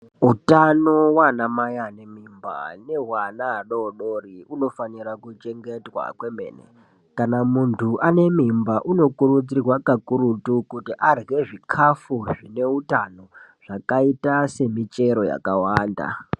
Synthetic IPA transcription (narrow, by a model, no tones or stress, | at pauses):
utano̞wanamajane̞mimba̰ne̞ɦwanaːɗoɗoriuno̞faniɾakut͡ʃe̞ŋɡe̞twa̰kwemḛːnḛ | kanamuntʰuʔane̞mimbaʔuno̞kuɾud͡zirwakakuɾutukutiʔarɡe̞ʐikʰafuʐine̞utano̞ʐ̥akaitase̞mit͡ʃe̞ɾo̞ja̰kawaːnda̰